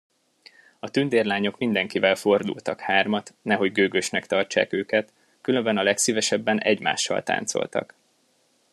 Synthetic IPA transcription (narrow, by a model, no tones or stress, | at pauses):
ɒt̪ynd̪eːrlaːɲo̞kmind̪ɛŋkivɛlfo̞rd̪ṵlt̪ɒkhaːrmɒt̪nɛɦo̞ɟɡøːɡøʃnɛkt̪ɒrt͡ʃa̰ːkøːkɛt̪ | kylø̞mbɛnɒlɛksivɛʃɛbːɛnʔɛɟma̰ːʃːɒ̰lt̪a̰ːnt̪so̰lt̪ɒ̰k